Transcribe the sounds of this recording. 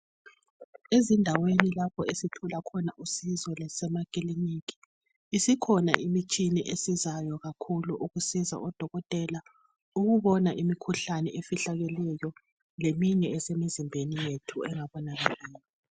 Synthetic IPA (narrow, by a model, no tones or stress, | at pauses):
ezindʱawenilapʰɔesitʰulakʰɔnaʔusizɔlɛsɛmakʼiliniki̥ː | sikʰɔna̰ʔimit͡ʃʼiniʔesizajɔɣakʰuluʔuɣusiza̰ʔɔd̥ʱɔɣɔtʼɛla | uɣuβɔnaʔimikʰuɬanɛ̰ʔefiɬaɣɛlɛjɔ | lemiɲɛːsɛmizimbʱenijetʰuɛŋaβɔnaɣalɛːli